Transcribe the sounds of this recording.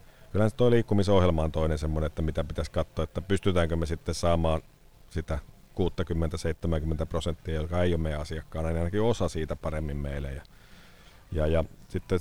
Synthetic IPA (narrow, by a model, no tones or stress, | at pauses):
kylhænsit̪ːoiliːkːumisohjelmɑːnt̪oˑinensemːoneet̪ːæmit̪æpit̪æskɑt̪ːoːet̪ːæpyst̪yt̪æːŋkømesit̪ːessɑːmɑːn | sit̪æ | kuːt̪ːɑkymːent̪æseit̪ːemæŋkymːent̪æprosent̪ːiɑjolkɑeijommeæɑsiɑkːɑːnɑˑnɑinɑkiosɑsiːt̪æpɑremːimmeilæ̰jɑ | jɑjɑsit̪ːe